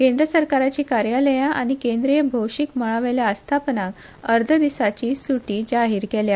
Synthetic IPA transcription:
kẽnd̪ɾəsəɾkaɾat͡ɕiːkaɾjaləjãʔa̰ɽ̃ikẽnd̪ɾijəbʱowʂikməɭaʋeljaəst̪ʰapnak | əɾd̪ʱəd̪isat͡ɕiːsuʈiːd͡ʑaɦiːɾkɛlja

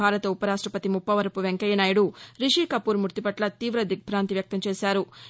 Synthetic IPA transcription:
aːɾɐt̪ɐupɐɾaːʂʈɾɐpɐt̪imupːɐʋɐɾɐpuʋeŋkɐjɐnaːjuɽuɾiʂiːkɐpːuːɾmuɾt̪ipɐʈlɐt̪iːʋɾɐd̪ʱik̚pɾaːnt̪iʋjɐk̚t̪ɐmt͡ʃeːsaːɾu

